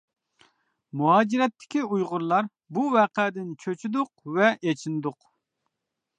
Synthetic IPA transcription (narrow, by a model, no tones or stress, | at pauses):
muɦɑːd͡ʒiɾɛt̪ʰːɪ̥kʲiujʁʊɾlˠɑɾ | buvɛːqʰɛd̪ɪnt͡ʃʰøt͡ʃʰyd̪ʊqvɛʔet͡ʃʰind̪ʊq